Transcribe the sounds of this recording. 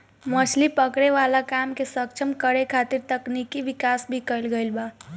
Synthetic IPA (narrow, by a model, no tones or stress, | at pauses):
məslipəkɽeʋalakamkesək̚t͡ʃʰəmkəɾekʰat̪iɾt̪əknikiʋikasbʱikəjlɡəlba